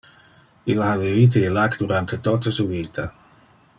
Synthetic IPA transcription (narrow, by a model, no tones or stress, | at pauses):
ilːaavivit̪̬eelakd̪uɾant̪et̪ot̪asuviːt̪ʰa